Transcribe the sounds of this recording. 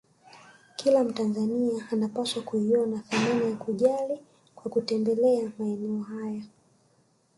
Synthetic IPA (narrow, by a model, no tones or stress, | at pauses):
kʰilam̩tanzaniaːnapaswakuiɔnaθananajakuʄali | kwakutɛmbɛlɛamaɛnɛɔɦaja